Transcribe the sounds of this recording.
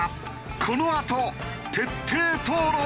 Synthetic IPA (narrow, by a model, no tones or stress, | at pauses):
kʰo̞noat̪o | t̪e̞t̪ʰːeːt̪oːɾo